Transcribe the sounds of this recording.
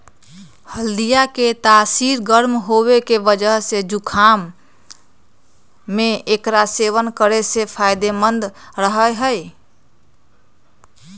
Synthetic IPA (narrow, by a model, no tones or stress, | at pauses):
həld̪ijaket̪aːsiɾɡəɾmɦoβekebəd͡ʒəɦsed͡ʒukʰam | eekɾaseʋənkəɾesepʰajd̪emənd̪ɾəɦəjɦəj